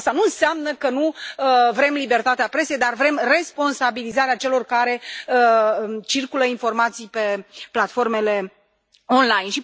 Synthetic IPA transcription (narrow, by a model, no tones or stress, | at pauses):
st̪anuɨnseamnəkənuəvɾe̞mlibe̞rt̪at̪eapɾe̞sejd̪arvɾe̞mre̞spo̞nsabilizaɾeat͡ʃe̞lo̞rkaɾe̞ət͡ʃirkuləinfo̞rmat̪sijpe̞plat̪fo̞rme̞le̞ | onlajnʃi